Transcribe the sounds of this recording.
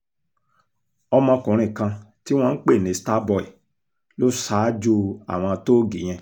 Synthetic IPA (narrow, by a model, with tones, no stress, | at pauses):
ɔ˧mɔ̃˧kũ˨ɾ̃ĩ˨kã˧ti˦w̃ɔ̃˧n̩˦k͡pe˦˨nĩ˨˦sta˦bɔ˦˨ḭ˨ | lo˦saː˨˦d͡ʒo˦a̰˨w̃ɔ̃˧to˦ɡi˨j̃ɛ̃˧